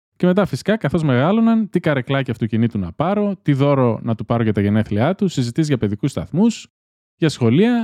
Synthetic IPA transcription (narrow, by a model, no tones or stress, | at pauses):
ce̞me̞t̪̬ɐfisi̥kɐkɐθo̞zme̞ɣɐlo̞nɐnt̪ikɐɾe̞klɐciɐft̪o̞cinit̪unɐpɐɾo̞t̪iðo̞ɾo̞nɐt̪upɐɾoʝɐt̪ɐʝe̞ne̞θliɐt̪usizit̪izʝɐpe̞ðikust̪ɐ̰θmus | ʝɐsxo̞liɐ